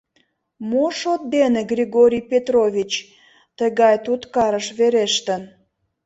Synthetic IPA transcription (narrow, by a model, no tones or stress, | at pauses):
moʃot̪̚d̪eneɡrʲiɣoɾʲijpet̪rovʲit͡ɕ | t̪əɣɑjt̪ut̪kɑɾəʃβeɾeʃt̪ən